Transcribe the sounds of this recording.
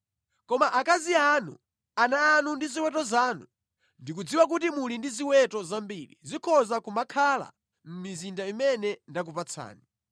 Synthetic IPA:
kɔmaʔakazianṵ | anaːnundiziwɛtɔzaːnu | ndik̬ud͡ziwak̬utimulindiziwɛtɔzambiɾḭzikʰɔzakumakʰala̰ | m̩mizindaimɛnɛndak̬upat͡sʰa̰ːni

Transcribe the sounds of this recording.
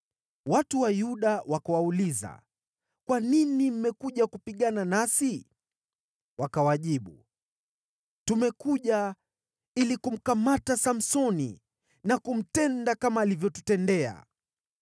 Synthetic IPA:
watuwajuɗawakawauliza̰ | kwaninim̩mɛkuʄakupiɠananasi | wakawaʄiɓu | tumɛkuʄa | ilikum̩kamatasam̩sɔnḭ | nakum̩tɛndakamaːlivjɔtutɛndɛa̰

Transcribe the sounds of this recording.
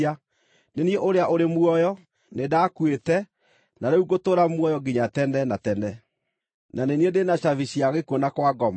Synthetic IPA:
a | nenieʔoɾeaʔoɾemwɔjɔ | nedakwetɛ | naɾeuɡotoːɾamwɔjɔɡiɲatɛndɛnatɛndɛ | naneniedenaɕaviɕiaɣekonakwaɡɔma

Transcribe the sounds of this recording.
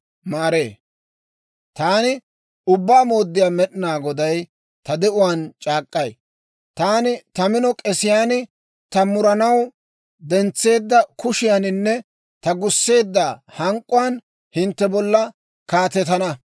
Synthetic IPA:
maːɾeː | t̪aːnɪ | ʊbːaːmo̞ːd̪ːɪjaːmɛɗɪnaːɡɔd̪ɐj | t̪ɐd̪ɛʔʊwaːnt͡ʃʼaːkʼːɐj | t̪aːnɪt̪ɐmɪnɔkʼɛsɪjaːnɪ | t̪ɐmʊɾɐnɐw | d̪ɛnt͡sːe̞ːd̪ːɐkʊʃɪjanɪnːɛ | t̪ɐɡʊsːe̞ːd̪ːahɐŋkʼːʊwaːn | hɪnt̪ːɛbɔlːɐ | kaːt̪ɛt̪ɐnɐ

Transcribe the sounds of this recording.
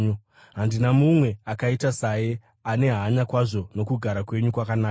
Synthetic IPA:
u | ɦandinamumwe̞akaitasaje | ane̞ɦaɲakwaʐo̞no̞kuɡʱaɾakwe̞ɲukwakanaː

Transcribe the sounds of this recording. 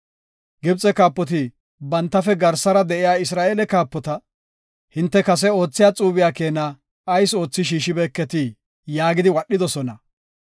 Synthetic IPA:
ɡɪb̚t͡sʼːɛkaːpːɔt̪̬ɪ | bɐnt̪ːɐfɛɡɐɾsɐɾɐd̪ɛʔɪjaːɪsɾaːeːlɛkaːpːɔt̪ɐ | hɪnt̪ːɛkɐs̬ɛo̞ːt͡sːɪjaːt͡sʼuːbɪjaːke̞ːna | ɐjso̞ːt͡sːɪʃ̬iːʃɪbeːkːɛt̪i | jaːɡɪd̪ɪwɐɗːɪd̪ɔsɔnɐ

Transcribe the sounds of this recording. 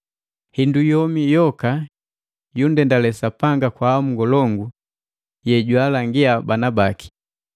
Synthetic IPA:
hindujɔmijɔka | jundɛndalɛsapaŋɡakwaːmuŋɡɔlɔŋɡu | jɛɟwalaŋɡiabanabaki̥

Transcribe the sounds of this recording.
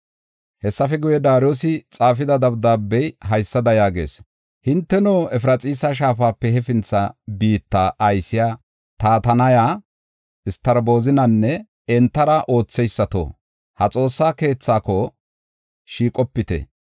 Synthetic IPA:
hɛsːɐfɛɡʊjɛd̪aːɾjoːsɪt͡sʼaːfɪd̪ɐd̪ɐbd̪aːbːɛjɦɐjsːɐd̪ɐjaːɡe̞̰ːs | hɪnt̪ːɛnoːɛfɾɐt͡sʼiːsaʃ̬aːfaːpːɛɦɛfɪnt͡sːɐbiːt̪ːaʔɐjsɪjaː | t̪aːt̪ɐnɐjaː | ɪst̪ɐɾbo̞ːzɪnɐnːɛ | ɛnt̪ːɐɾɐʔo̞ːt͡sːɛjsːɐt̪o̰ː | hɐt͡sʼo̞ːsːaːke̞ːt͡sːaːkɔ | ʃiːkʼɔpːɪt̪ɛ̰

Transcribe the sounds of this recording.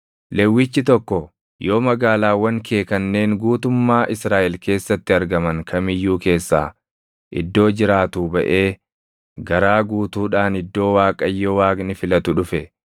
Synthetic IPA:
lɛwːɪt͡ʃːɪt̪ɔkːɔ | jo̞ːmɐɡaːlaːwɐŋkʰeːkɐnːe̞ːŋɡuːt̪ʊmːaːʔɪsɾaːʔɛlke̞ːsːɐt̪ːɪɐɾɡɐmɐŋkʰɐmɪjːuːke̞ːsːaː | ʔɪ̰d̪ːo̞ːd͡ʒɪɾaːt̪uːbɐʔe̞ː | ɡɐɾaːɡuːt̪uːᶑaːnɪd̪ːo̞ːwaːkʼɐjːowaːɡnɪfɪlɐt̪ʊᶑʊfɛ

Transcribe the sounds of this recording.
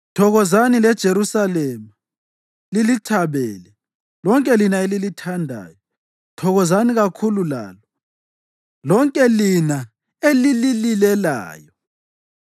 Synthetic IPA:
tʰɔɣɔzanilɛd̥ʒ̥ʱeɾusalɛːma | lilitʰaβɛːlɛ | lɔŋkʼɛlinaelilitʰandʱa̰ːjɔ | tʰɔɣɔzaniɣakʰulula̰ːlɔ | lɔŋkʼɛlina | elilililɛla̰ːjɔ

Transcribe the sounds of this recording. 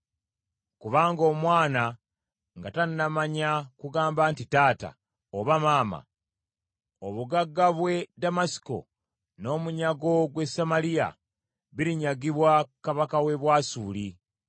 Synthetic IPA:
kuβaːŋɡo̞ːmwaːna | ŋɡatannamaɲakuɡaːmbaːntitaːta̰ | oβamaːma̰ | oβuɡaɡːaβwe̞damasi̥ko̞̰ | no̞ːmuɲaɡo̞ɡwe̞samalija̰ | βiɾiɲaɡiβwakaβakawe̞βwaːsuːli

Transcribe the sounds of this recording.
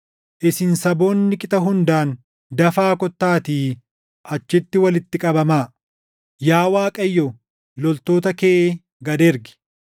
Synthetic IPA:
ʔɪsɪnsɐbo̞ːnːɪkʼɪt̪ʼɐɦʊnd̪aːn | d̪ɐfaːkɔt̪ːaːt̪iː | ʔɐt͡ʃːɪt̪ːɪwɐlɪt̪ːɪkʼɐbɐmaː | jaːwaːkʼɐjːɔ | lɔlt̪o̞ːt̪ɐkeːʔeː | ɡɐd̪eɾɡɪ̥

